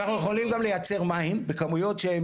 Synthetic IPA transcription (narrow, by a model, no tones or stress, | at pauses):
aχnujeχo̞limɡamle̞jat͡se̞ʁmainbekamujo̞tʃeem